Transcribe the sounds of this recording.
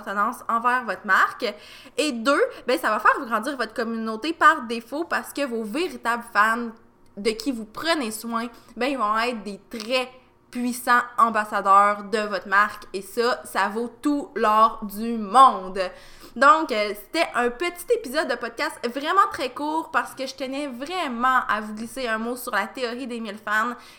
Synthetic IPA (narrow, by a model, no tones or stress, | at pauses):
ʁt̪ənɑ̃sɑ̃vɛːʁvɔt̪maʁk | ed̪øbɛ̃savafɛːʁvuɡʁɑ̃d̪d͡z̪iːʁvɔt̪χkɔmynot̪epaʁd̪efopaʁsə̥kəvoveʁit̪abləfam | d̪əkʲʰivupχəneswɛ̃bɛ̃ilvɔ̃ɛt̪χd̪et̪ʁɛ | pɥisɑ̃ɑ̃basad̪œːʁd̪əvɔt̪maʁkesʌsavot̪ulœːʁd̪ymɔ̃d̪ | d̪ɔ̃kse̥t̪ɛʔœ̃pət̪i̥t̪epizɔd̪ːəpɔd̪̚kast̪vʁɛmɑ̃t̪χɛkuːʁpaʁsə̥kəʒət̪ɛnɛvʁɛmɑ̃ʔavuɡliseɛ̃mosyʁlat̪eɔʁid̪emilfam